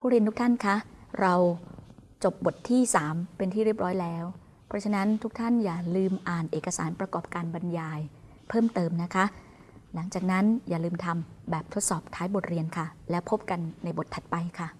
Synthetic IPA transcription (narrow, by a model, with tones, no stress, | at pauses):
pʰuː˥˩ɾi˧nt̪ʰu˥t̪ʰa˥˩nkʰa˦˥ɾa˧w | t͡ɕo˨˩p̚bo˨˩t̪ʰːiː˥˩saː˩˦mpe˧nt̪ʰiː˥˩ɾi˥˩əp̚ɾɔː˦˥jlɛː˦˥w | pʰɾɔ˦˥t͡ɕʰa˧na˦˥nt̪ʰu˦˥k̚t̪ʰa˥˩njaː˨˩lɯː˧mʔaː˨˩nʔeː˨˩kːa˧saː˩˦npɾa˧kɔː˨˩p̚kaː˧nba˧njaː˧j | pʰɤː˥˩mt̪ɤː˧mna˦˥kʰa˦˥ʔ | la˩˦ŋt͡ɕaː˨˩k̚na˦˥njaː˨˩lɯː˧mt̪ʰa˧mbɛː˨˩p̚t̪ʰo˦˥t̪̚sɔː˨˩p̚t̪ʰaː˦˥jbo˨˩t̪̚ɾi˧ənkʰa˥˩lɛː˦˥wpʰo˦˥p̚ka˧nːa˧jbo˨˩t̪ʰːa˨˩t̪̚pa˧jkʰa˥˩